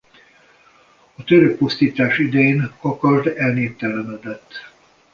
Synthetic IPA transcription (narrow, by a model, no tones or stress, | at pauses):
ɒt̪øɾøk̚post̪iːt̪aːʃid̪ɛjeːnɒkɒrd̪ɛlneːpt̪ɛlɛmɛd̪ɛt̪ː